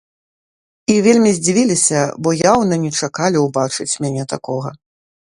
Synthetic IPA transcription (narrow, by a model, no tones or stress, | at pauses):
ivʲelʲmʲizʲd͡zʲivʲilʲisʲɐbɔjawnɐnʲɛt͡ʂakalʲiwbat͡ʂɨt͡sʲmʲanʲɛt̪akɔɣɐ